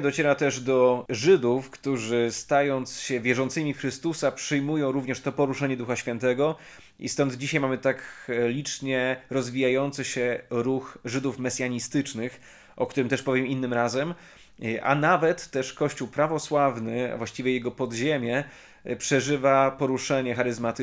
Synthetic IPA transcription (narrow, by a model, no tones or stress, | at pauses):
d̪ɔt͡ɕɛɾat̪ɛʐd̪ɔʐɘd̪ufkt̪uʐɘst̪ajɔnt̪sɕɛvʲjɛʐɔnt̪sɘmʲixɾɘst̪usapʂɘjmujɔ̃w̃ɾuvɲɛʂt̪ɔpɔɾuʂɛɲɛd̪uxaɕfʲjɛnt̪ɛɡɔ | ʔḭst̪ɔnd̪d͡ʑiɕajmamɘt̪aklʲit͡ʂɲɛɾɔzvʲijajɔnt̪sɘɕɛɾuxʐɘd̪ufmɛsʲjaɲist̪ɘt͡ʂnɘx | ʔɔkt̪uɾɘmt̪ɛʂpɔvʲjɛminːɘmɾazɛm | ʔa̰navɛt̪ːɛʂkɔɕt͡ɕuwpɾavɔswavnɘa̰vwaɕt͡ɕivʲjɛjɛɡɔpɔd̪ʑemʲjɛ | pʂɛʐɘvapɔɾuʂɛɲɛxaɾɘzmat̪